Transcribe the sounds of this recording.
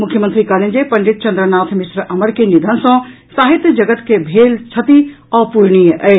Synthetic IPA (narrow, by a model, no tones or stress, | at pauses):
mʊkʰːjəmənt̪ɾikaːlind͡ʑepɐ̃ɲd͡ʑɪt̪̚t͡ɕɐ̃nd̪ɾənaːt̪ʰmɪsɾʔɐməɾkʰenɪd̪ʱənsã | saːɦɪt̪d͡ʑɐɡət̪kʰebʱeːlt͡ɕʰɐt̪i | ɔːpuɾɽ̃iɛe